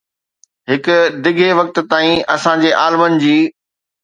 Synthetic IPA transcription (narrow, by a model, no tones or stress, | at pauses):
ɦɪkʊ̆d̪ɪɡʱeʋɐk̚t̪ʊ̆t̪aːĩɐsãd͡ʑeːʔaːlmənɪ̆d͡ʑiː